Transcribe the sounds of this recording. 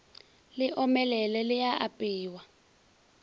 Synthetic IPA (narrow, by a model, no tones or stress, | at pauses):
lɪʔɔmɛlɛlɛlɪjaʔapʼiːwa